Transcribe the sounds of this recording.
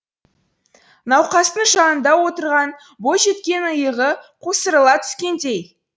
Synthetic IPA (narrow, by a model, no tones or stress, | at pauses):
nɑwqɑst̪əɴʒɑnənd̪ɑwo̞t̪əɾʁɑn | boʒe̞t̪kʲe̞nəjəʁəqʰosəɾəlˠɑt̪ʰʏ̥skʲe̞nd̪e̞j